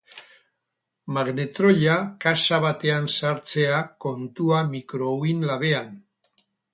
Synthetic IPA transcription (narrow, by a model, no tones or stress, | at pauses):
maɣne̞t̪ɾo̞ʎakasaβ̞at̪e̞ansaɾt͡se̞ako̞nt̪uamikɾo̞winlaβ̞e̞an